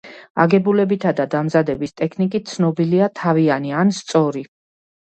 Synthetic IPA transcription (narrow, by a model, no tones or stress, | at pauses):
a̰ɡɛbulɛbit̪ʰad̪ad̪amzad̪ɛbist̪ʼɛkʰnikʼit̪̚sʰnɔbiliat̪ʰavianianst̪sʼɔɾi